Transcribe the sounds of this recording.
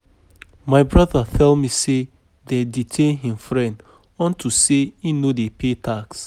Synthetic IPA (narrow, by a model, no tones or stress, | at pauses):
maɪbɹaðatʰɛlmise | dɛditʰẽnɦĩmfɹɛ̃nd | ɔ̃ntʰuseinodepʰetʰaks